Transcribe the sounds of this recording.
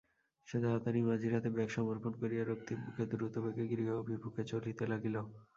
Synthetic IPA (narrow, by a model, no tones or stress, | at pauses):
ʃed̪aat̪animad͡ʑiɾat̪ebɛkʃɔmoɾponkoɾijaɾok̚t̪ibukʰed̪uɾut̪obeɡeɡiɾiɡaobʱibʱukʰet͡ɕolit̪elaɡilo